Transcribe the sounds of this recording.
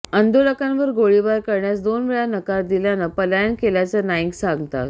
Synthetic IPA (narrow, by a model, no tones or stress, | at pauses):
ənd̪oləkãnʋəɾɡoɭibaɾkəɾɳjasd̪onʋiɭanəkaɾd̪iljanapəlajənkeljat͡sənajiɡsãŋɡt̪a̰t̪